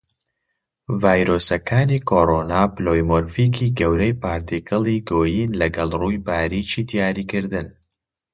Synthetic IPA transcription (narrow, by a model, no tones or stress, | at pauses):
vaːjɾoːsɐkʰaːniːkʰoɾoːnaːploːjmoɾfiːkʰiɡɐwɾɐjpaːɾt̪ikʰɨlˠiɡoːjinlɐɡɐlˠruːjbaːɾit͡ʃiːd̪ijaːɾiːkɨɾd̪ɨn